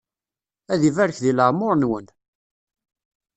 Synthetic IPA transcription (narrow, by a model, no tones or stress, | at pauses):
æðivæɾəçðiləʁmʊɾˤnwən